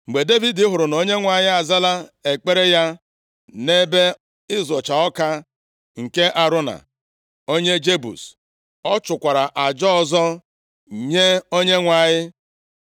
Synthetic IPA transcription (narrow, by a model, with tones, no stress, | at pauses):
ŋ͡m̩˨ɡ͡be˨de˦vi˨dɪ˦ɦʊ˨ɾʊ˨no˦ɲe˦ŋʷa˨ɲɪ˦a˨za˦la˦e˨k͡pe˦ɾe˦ja˦ | ne˦be˦ | ɪ˦zʊ˨t͡ʃa˨ɔ˦ka˦ | ŋ̩˨ke˦ʔa˨ɾʊ˦na̰˨ | o˦ɲe˦d͡ʒe˦bṵ˨s | ɔ˦t͡ʃʊ˨kʷa˨ɾa˨ʔa˨d͡ʒɔ˦ɔ˦zɔ˦ | ɲe˦o˦ɲe˦ŋʷa˨ɲɪ˦